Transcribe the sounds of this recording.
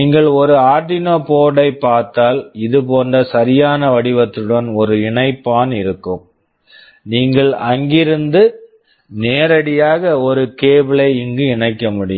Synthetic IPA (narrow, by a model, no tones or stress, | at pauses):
iːŋɡɐɭɔɾɯaːʈɪnoːpoːɽɐɪpːaːɾt̪aːlɪðɯpoːndrɐsɐɾɪjaːnɐʋɐɽɪʋɐt̪ːɯɽɐnɔɾɯɪɳɐɪpːaːnɪɾɯkːɯm | niːŋɡɐɭɐŋɡɪɾɯnd̪ɯ | neːɾɐɽɪjaːɣɐɔɾɯkeːbɪɭɐɪɪŋɡɯɪɳɐɪkːɐmʊɽɪj